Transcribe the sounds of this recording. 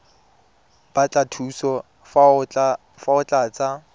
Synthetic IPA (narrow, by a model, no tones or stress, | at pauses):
b̥at͡ɬʼatʰusɔ | faʊt͡ɬʼaːt͡sʼa